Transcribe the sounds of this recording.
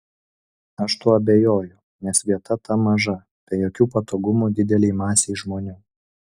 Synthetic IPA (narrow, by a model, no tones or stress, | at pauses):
ɐʃt̪uɔɐbʲejoːjʊ | nʲɛsʋʲiɛt̪ɐt̪ɐmɐʒɐ | pʲɛjoːkʲuːpɐt̪oːɡʊmuːd̪ʲɪd̪ʲɛlʲɛɪmɑːsʲɛɪʒmoːnʲuː